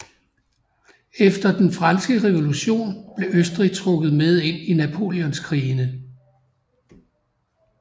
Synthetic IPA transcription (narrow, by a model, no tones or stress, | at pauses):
efd̥ɐd̥enfʁɑnsɡ̥əʁeʋo̝luɕo̝̰ːnb̥le̝ʔøsd̥ʁit͡sʰʁɔ̽ɡ̥ð̩ˠmeð̞ˠe̝n̰inæpʰo̝̰ːljɔ̽nskʰʁiːnə